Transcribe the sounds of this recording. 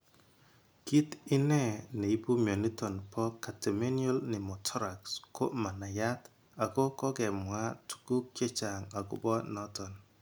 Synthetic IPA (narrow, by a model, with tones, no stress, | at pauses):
ki˦tɪ˦nɛ˦˨ne˨i˦bu˦mjo˨ni˦tɔ˨npɔ˦kːa˨te˨me˦njɔ˦lnɪ˨mɔ˨tʰɔ˦ɾa˨kskʰo̰˦ma˨na˨ja˦t | a˨ko˦kɔ˦ɡɛ˨mwa˦tu̥˨ku˦kːe˦t͡ʃa˨ŋa˨ɡʊ̰˨bɔ˦nɔ˦tɔ˨n